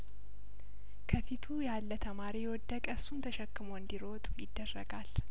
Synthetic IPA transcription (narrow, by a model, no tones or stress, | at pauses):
kʰəfit̪ʰujalːət̪ʰəmaɾijɛwɔd̪ːəkʼəsunt̪ʰəʃɛkːɨmoɨnd̪iɾo̞t̪ʼjɪd̪ːərːəɡal